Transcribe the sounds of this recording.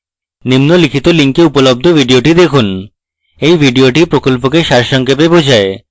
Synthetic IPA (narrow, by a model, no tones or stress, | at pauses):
nimnolikʰit̪oliŋkeupolob̚d̪ʱobʱiɖioʈid̪ekʰun | ejbʱiɖioʈipɾokolpokeʃaɾʃɔŋkebebod͡ʑʱae